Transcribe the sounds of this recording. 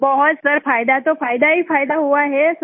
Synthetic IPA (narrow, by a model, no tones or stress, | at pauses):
bɔɦɔt̪səɾfajd̪at̪ofajd̪aɦiːfajd̪aɦoaɦes